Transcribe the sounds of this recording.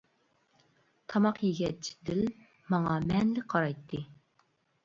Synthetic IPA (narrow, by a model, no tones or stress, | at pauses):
t̪ʰɑmɑqjiɡʲɛt͡ʃʰi̥d̪ɪl | mɑŋɑmɛnlɪqʰɑɾɑjt̪ʰːɨ